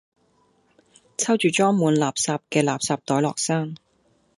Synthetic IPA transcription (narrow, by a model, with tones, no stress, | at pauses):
t͡sʰɐ˥wt͡ʃyː˨t͡ʃɔː˥ŋmuː˨˥nlaː˨p̚saː˧p̚kɛː˧laː˨p̚saː˨˧p̚t̪ɔː˨˥jlɔː˨˩k̚saː˥ŋ